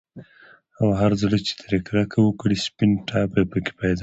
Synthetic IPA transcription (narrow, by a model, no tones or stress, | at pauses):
awaɦaɾzəlet͡ʃe̥t̪ɾekɾakʰawəkɽispinʈɑbapəke̥pajd̪ɑ